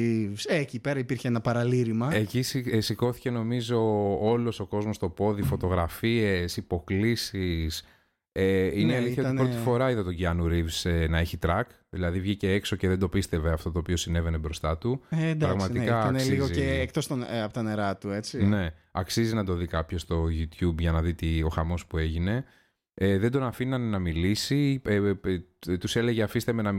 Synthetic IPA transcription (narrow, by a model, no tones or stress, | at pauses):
vseːcipe̞ɾɐipiɾçeenɐpɐɾɐliɾimɐecissiko̞θi̥ce̞no̞mizo̞olo̞so̞ko̞zmo̞st̪o̞po̞ðifo̞t̪o̞ɣɾɐfiesipo̞klisis | eineliθijɐt̪ibɾot̪ifoɾɐiðɐt̪oɟiɐnuɾivsenɐeçit̪ɾɐk | ðilɐðivʝiceekso̞ceðed̪o̞pist̪e̞veɐft̪o̞t̪oːpio̞sine̞ve̞nebɾo̞st̪ɐt̪ud̪pɾɐɣmɐt̪ikɐknessliɣozieːk̚t̪ost̪oɐpot̪ɐneɾɐt̪uet͡sine̞ɐksizinɐd̪o̞ðikɐpço̞st̪o̞ʝut̪çubʝɐnɐðit̪io̞xɐmo̞spue̞ʝine̞ | eðend̪o̞nɐfinɐnenɐmilisi | t̪use̞le̞ʝeɐfist̪emenɐ